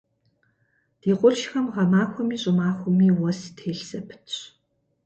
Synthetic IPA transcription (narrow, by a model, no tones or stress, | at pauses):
d̥iːqʷʊrʃxɐmʁɐmaːxʷɔmiːɕʼʊmaːxʷʊmiːwɔstʰeːɬsɐpʰɨ̥tʰɕ